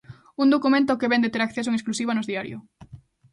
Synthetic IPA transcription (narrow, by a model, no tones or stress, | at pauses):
und̪okumẽnt̪okeβɛnd̪et̪eɾakθesoeŋesklusiβanozðiaɾj̰ʊ̰